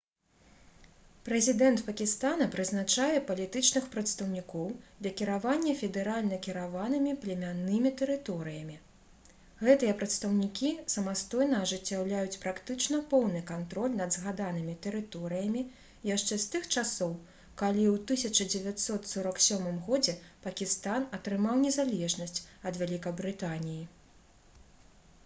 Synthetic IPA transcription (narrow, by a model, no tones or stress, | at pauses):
pɾɛzʲid̪ɛnt̪pɐkʲist̪anɐpɾɨznat͡ʂajɛpɐlʲit̪ɨt͡ʂnɨxpɾɐt̪st̪ɐwnʲikɔwd̪lʲɐkʲiɾavanʲːɐfʲɛd̪ɛɾalʲnɐkʲiɾavanɨmʲiplʲɛmʲanːɨmʲit̪ɛɾɨt̪ɔɾɨjɐmʲi | ɣɛt̪ɨjɐpɾɐt̪st̪ɐwnʲikʲisɐmast̪ɔjnɐːʐɨt͡sʲːawlʲajut͡sʲpɾakt̪ɨt͡ʂnɐpɔwnɨkant̪ɾɔlʲnɐd̪zɣad̪anɨmʲit̪ɛɾɨt̪ɔɾɨjɐmʲi | jaʂt͡ʂɛst̪ɨxt͡ʂasɔw | kalʲiwt̪ɨsʲɐt͡ʂɐd͡zʲɛvʲat̪ʲsɔt̪sɔɾɐksʲɔmɨmɣɔd͡zʲɛpɐkʲist̪anɐt̪ɾɨmawnʲɛzalʲɛʐnɐsʲt͡sʲɐd̪vʲalʲikɐbɾɨt̪anʲiji